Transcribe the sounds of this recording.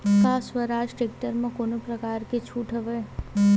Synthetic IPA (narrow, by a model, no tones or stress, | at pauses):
kasʋəɾaːd͡ʒʈek̚ʈəɾmãkoːnopɾəkaːɾket͡ʃʰuːʈʰəʋe